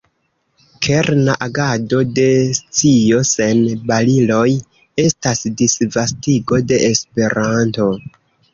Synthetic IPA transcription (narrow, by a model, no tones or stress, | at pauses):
kʰe̞ɾnaʔaɡado̞de̞st͡sijo̞se̞nbalilo̞j | e̞stasdisvastiɡo̞de̞ːspe̞ɾanto̞